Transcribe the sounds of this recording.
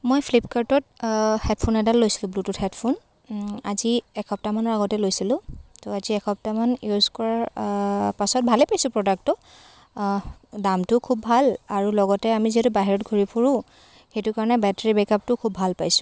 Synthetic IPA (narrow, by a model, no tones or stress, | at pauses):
mojpʰlipkaɹtɔthɛt̚pʰunɛdalːojsi̥lʊ̃blututhɛtpʰun | aziɛkʰɔp̚tamanɔɹaɡɔtɛlojsilʊ̃toaziɛkʰɔp̚tamanjuzkɔɹaɹ | pasɔt̚bʱalɛepajsʊ̃pɹɔdak̚tɔ | damtʊkʰubːʱalaɹulɔɡɔtɛamiziɦɛtubaɦiɹɔtɡʱoɹipʰuɹʊ̃ | xetʊkaɹɔnɛbɛteɹibɛkap̚tʊkʰubbʱalpajsʊ̥̃